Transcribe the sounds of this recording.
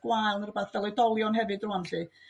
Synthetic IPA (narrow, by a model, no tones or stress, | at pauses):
ɡ̥wajlˠnərʊbaθvɛlˠɔjdɔlˠjɔnhɛvɨdrʊanɬɨ